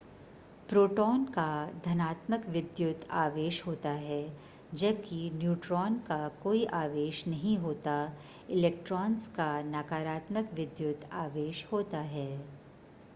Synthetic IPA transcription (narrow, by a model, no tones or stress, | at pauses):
pɾoːʈɔːnkad̪ʱɐnaːt̪məkʋɪd̪jʊt̪ʰaːʋeːʃɦoːt̪aɦɛː | d͡ʒɐb̚kinjuːʈɾɔːnkakoːiʔaːʋeːʃnɐɦĩɦoːt̪a | ɪlɛːk̚ʈɾɔːnskanaːkaːɾaːt̪məkʋɪd̪jʊt̪aːʋeːʃhoːt̪aɦɛː